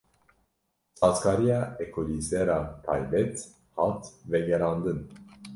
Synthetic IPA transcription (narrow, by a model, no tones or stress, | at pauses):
t͡sʰɑːt͡skʰɑːɾijɑːɛkʰolizɛɾɑt̪ʰɑ̰jbɛt̪ | hɑt̪vɛɡɛɾɑːnd̪ɨn